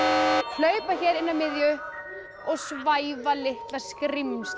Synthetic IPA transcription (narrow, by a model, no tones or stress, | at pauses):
l̥œːɥpaçɛːɾɪnːamɪðjʏ | ɔɣsvajvalɪht̪laskɾims